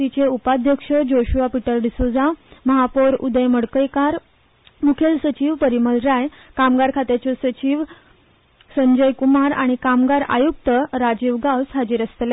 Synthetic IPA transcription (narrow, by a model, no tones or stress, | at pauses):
it͡ɕeupad̪ʱjəkʂəd͡ʑoɕuʋapiʈəɾɖ̪isod͡zaməɦapoɾṵd̪əjməɽkəjkaɾ | mukʰelsət͡ɕiʋpəɾiməlɾaj | kamɡaɾkʰat̪jat͡ɕɔsət͡ɕiʋ | səɲd͡ʑəjkumaɾa̰ɽ̃ikamɡaɾa̰juk̚t̪əɾad͡ʑiʋɡawsɦad͡ʑiːɾəst̪le